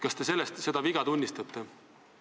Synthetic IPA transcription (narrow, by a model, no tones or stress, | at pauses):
kɑst̪e̞se̞lːest̪se̞d̪ɑviɡ̥ɑt̪unʲːist̪ɑt̪ːˑe